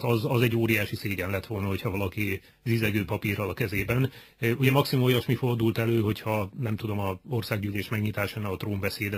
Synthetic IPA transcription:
t̪ɒzɒzɛɟːoːɾijaːʃiseːɟɛnlɛt̪ʋo̞lnɒho̞cʰhɒvɒlɒki | zizɛɡøːpɒpirɒlɒkɛzeːbɛn | uɟɛmɒksimumojɒʃmifo̞rd̪ult̪ɛløːɦo̞chɒnɛmt̪ud̪o̞mɒo̞rsaːɡ̚ɟyːleːʃmɛɡɲit̪aːʃɛnːɛɒt̪roːmbɛseːd̪ɛ

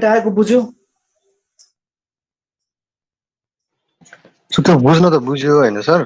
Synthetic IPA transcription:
ʈaʌkobud͡zʱo | sut̪obud͡znʌt̪ʌbud͡zjoɦʌjnʌsʌr

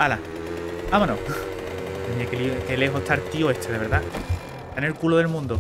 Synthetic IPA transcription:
ala | amanõ | emiakelikeleɦot̪ʰaɾt̪ioest̪ʰeðeβ̞e̞ɾða | anelkuloðe̞lmũnd̪o

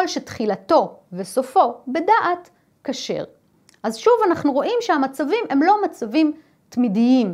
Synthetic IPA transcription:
olʃetχilato̞vesofo̞be̞daʔat | kaʃe̞̰ʁ | ʔazʃuvanaχnuʁo̞ʔimʃeamat͡savime̞mlo̞mat͡savim | tmidiim

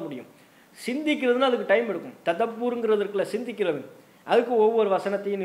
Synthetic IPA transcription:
ɐmʊɽɪjɯ̰m | sɪnd̪ɪkːɪɾɐðɯnaːɐðɯkːɯʈɐɪmɛɽɯkːɯmt̪ɐt̪ːɐpːuːɾɯŋɡɪɾɐðɐɾkːɯlɐsɪnd̪ɪkːɪɾɐʋɪn | ʔɐðɯkːɯɔʋːɔɾɯʋɐsɐnɐt̪ːɐjɯ̃n

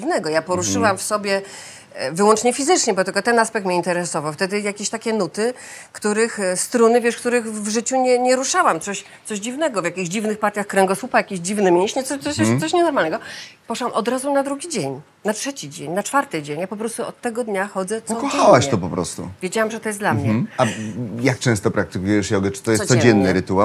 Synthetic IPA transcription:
ivnɛɡɔjapɔɾuʂɘwamfsɔbʲjɛ | vɘwɔnt͡ʂɲɛfʲizɘt͡ʂɲɛbɔt̪ɪlkɔt̪ɛnaspɛk̚t̪mɲeint̪ɛɾɛsɔvawft̪ɛd̪ɘjakʲeɕt̪akʲɛnut̪ɘ | kt̪uɾɘxst̪ɾunɘvʲjɛʂkt̪uɾɘxvʐɘt͡ɕuɲɛɲɛɾuʂawamt̪sɔɕ | t̪sɔʑd͡ʑivnɛɡɔvjakʲiɣʑd͡ʑivnɘxpaɾt̪ʲjaxkɾɛŋɡɔsupajakʲiʑd͡ʑivnɘmʲjẽɲ̃ɕɲɛt̪sɔt̪ɔsɔɕɲɛnɔɾmalnɛɡɔpɔʂawamʔɔd̪ɾazunad̪ɾuɡʲid͡ʑeɲ | natʂɛt͡ɕid͡ʑeɲnat͡ʂfaɾt̪ɨd͡ʑeɲjapɔpɾɔst̪uɔt̪ːɛɡɔd̪ɲaxɔd̪zɛt̪sɔkɔxawaɕt̪ɔpɔpɾɔ̰st̪ṵvʲjed͡ʑawamʐɛt̪ɔjɛsd̪lamɲɛajak̚t͡ʂɛ̃st̪ɔpɾak̚t̪ɘkujɛʂjɔɡɛt͡ʂɨ̥t̪ɔjɛssɔd͡ʑɛnːɨɾɨt̪ua

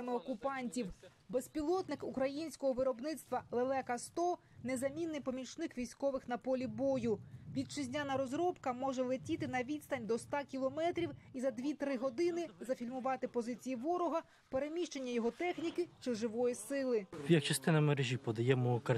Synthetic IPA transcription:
mɪɔkʊpɑnʲtʲiw | bespʲilˠɔt̪nɪkukɾɐjinʲsʲkɔɦɔʋɪɾɔbnɪt̪st̪ʋɐlˠelˠɛkɐst̪ɔ | nezɐmʲinːɪjpɔmʲit͡ʃnɪkʋʲijsʲkɔʋɪxnɐpɔlʲibɔjʊʋʲid̪̚t͡ʃɪzʲnʲanɐɾɔzɾɔpkɐmɔʒɛlˠetʲit̪ɪnɐʋʲid̪ʲst̪ɐnʲd̪ɔst̪ɑkʲilˠɔmɛt̪ɾʲiwizɐd̪ʲʋʲit̪ɾɪɦɔd̪ɪnɪzɐfʲilʲmʊʋɑt̪ɪpɔzɪt͡sʲijiʋɔɾɔɦɐ | peɾemʲiʃt͡ʃe̞nʲːɐjɔɦɔt̪ɛxnʲikɪt͡ʃɪʒɪʋɔjisɪlˠɪjɐk̚t͡ʃɐst̪ɪnɐmeɾeʒʲipɔd̪ɐjɛmɔkɐ

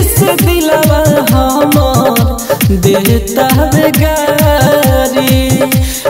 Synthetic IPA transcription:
seb̪ilabaɦɔmɔɾd̪eɦt̪abeɡa | ɾi

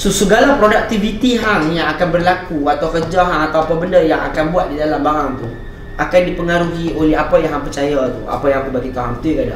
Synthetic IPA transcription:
sosəɡalapɾodak̚t̪ivit̪iɦaŋjaŋakanbərlakuat̪awfəd͡ʒaɦaŋat̪awapabəndajaŋa̰kanbuat̪̚didalambaɾaŋt̪uh | ʔakandipəŋaɾuɦiolɛɦapajaɦaŋpərt͡ʃajat̪ṵa̰pajãŋkəbaɡit̪aɦaŋt̪ujakada̰

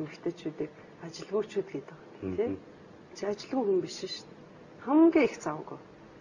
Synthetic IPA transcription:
mixt̪ʰĕt͡ɕʰuːt̪iːk | at͡ɕɪ̆ɮɣʊːt͡ɕʰuːt̪̚ɡet̪ə̆k̪ː | t̪ʰeː | t͡ɕʰiat͡ɕɪ̆ɮɣŭːŋxumpiʃɪ̆ʃt̪ | χamŋɡʲiːext͡sawə̆ɣuj

